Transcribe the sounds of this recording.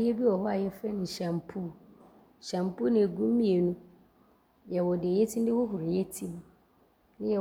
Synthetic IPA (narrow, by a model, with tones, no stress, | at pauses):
jɛ˦bi˦wɔ˨hɔ˦a˨jɛ˦fɛ˦n˨ɲ̩˨ɕã˨mpʰu˦˨ | ɕã˨mpu˦nĩ˨æ˨ɡũ˦m˦mĩ˦e˨nũ˦ | jɛ˨wɔ˨dɪ˨e˨je˦tʰĩ˦n˦dɪ˦wʊ˦ɦʊ˨ɾɪ˨jɛ˦tʰi˦m˨ | nɪ̃˦jɛ˨